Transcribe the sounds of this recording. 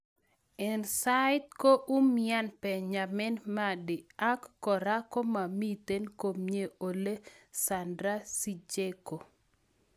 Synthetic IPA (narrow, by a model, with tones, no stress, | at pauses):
ɛ˨nsa˦ɪ˦t̚ko˦ʔu˦mia˦npɛ˨ɲa˨mɛ˦nma˦dɪ˨a˦kːɔ˨ɾa˦ko˦ma˨mi˦t̪e˦nko˨mɲe˦o˨le˦sa˨ndɾa˦si˨d͡ʒe˦ko˨